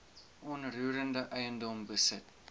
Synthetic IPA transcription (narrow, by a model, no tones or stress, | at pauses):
ʔɔnruːɾəndəʔəjəndɔmbəsət̚